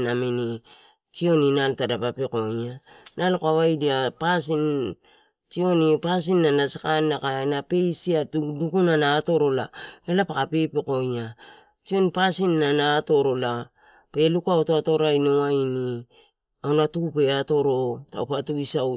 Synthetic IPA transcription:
namini | tio̞ninaltadapapeko̞ɲanalkoaβajdiapasin | tio̞nipas̬inːanasakanːakanape̞jsiatdukunanaːto̞ɾo̞lanalapakape̞peko̞ɲa | tio̞npasinːanaːto̞ɾo̞la | pe̞lukuaotoato̞ɾainoaini | awnatukupe̞ato̞ɾo̞ta̰opatuisaw

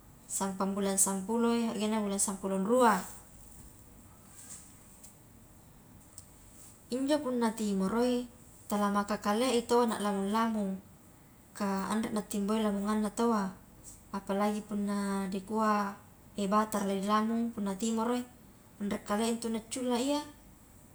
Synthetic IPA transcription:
sampambulansampuloeaʔɡenabulansampulonrua | iɲd͡ʒopunːat̪imoɾoi | t̪alamakakaleʔit̪oana̰ʔlamunlamuŋ | ka̰ːndrɛʔ̚nat̪ːimboilamuŋanːat̪oaː | palaɡipunːadikua | ebat̪arladilamuŋpunːat̪imoɾoi | andrɛkːaleʔint̪unat͡ʃːulːaia

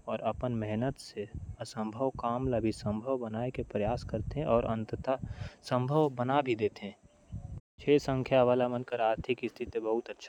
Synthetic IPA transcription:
ɔːɾɐpənmɛɦnət̪seəsə̃mbʱəʋkaːmlabʱisə̃mbʱəʋbənaːekepɾəjaːskəɾt̪eɦɛ̃ʔɔːɾʔə̃nt̪ət̪asə̃mbʱəʋbənabʱid̪eːt̪eɦɛ̃ː | t͡ʃʰeːsə̃ŋkʰjaʋaːlamənkəɾaːɾt̪ʰɪkɪst̪ʰɪt̪bəɦʊt̪ətːʃʰa

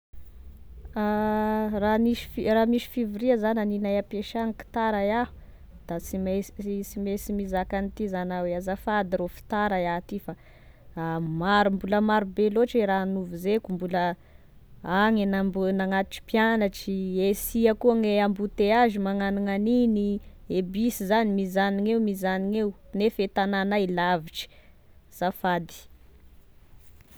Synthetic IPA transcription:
araniʃfiramisi̥fiviɾiazananinajapeʃaŋiki̥t̪aɾajahu̥ | d̪̥at͡simesimesimizakanit̪izanaweazafad̪iɾofi̥t̪aɾajat̪ifa | maɾumbuləmaɾubeloʈ͡ʂeɾaanuvizekumbulə | aŋenambunaŋat̪u̥ʈ͡ʂi̥pjanaʈ͡ʂiesiakuaŋeambut̪eazimaŋaniŋaniniebisizanimizaniŋeumizaniŋewnefet̪ananailaviʈ͡ʂi̥ | z̥afad̪i̥

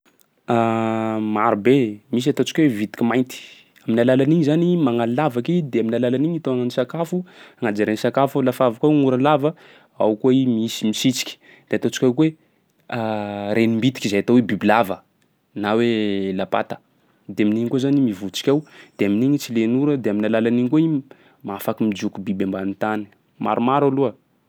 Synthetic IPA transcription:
amaɾubemis̬at̪ot͡si̥kʲwevit̪i̥kʲimajnt̪i̥ | aminalalaniɲizanimaŋalilavakid̪eaminalalaniɲit̪oananisakafuaŋad͡ʒaɾensakafulafavakawŋuɾalavə | a̰wkweimiisimisit͡si̥kʲi̥ | d̪̥eat̪ot͡si̥kʲawkuwe | aɾʔenimbit̪i̥kʲizajat̪owebibilavə | nawelapa̰t̪ə̥ | d̪eaminiɲkozanimivut͡si̥kʲawd̪̥eaminiɲit͡silenuɾəd̪eaminalalaniɲkoi | mafakimid͡ʒukubibambanit̪ani̥ | ma̰ɾumaɾaluə

